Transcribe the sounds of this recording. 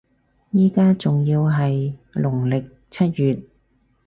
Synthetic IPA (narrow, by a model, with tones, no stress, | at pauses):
jiː˥kaː˥t͡sʊ˨ŋjiː˧wɦɐ˨jlʊ˨˩ŋlɪ˨k̚ | t͡sʰɐ˥t̚jyː˨t̚